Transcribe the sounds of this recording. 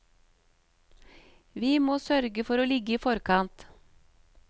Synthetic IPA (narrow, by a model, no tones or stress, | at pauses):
ʋiːmoːsœɾɡəfɔɾoːlɪɡəiːfɔɾkʰɑnt̪